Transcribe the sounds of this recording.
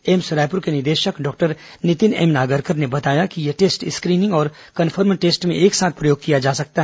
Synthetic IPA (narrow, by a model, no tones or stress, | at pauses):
eːmsʊɾaːp̬ʊɾkenɪɾd̪eːʃəkɖɔːk̚ʈəɾ | nɪt̪ɪnɛ̰mnaːɡəɾkəɾnebɐt̪aːjakijeʈeːsʈɪskɾiːnɪ̃ŋɡɔːɾ | kɐnfʰəɾmʈeːsʈmẽʔeːksaːt̪̚ʰpɾɐjoːɡ̚kijad͡ʒaːsɐk̚t̪aɦɛ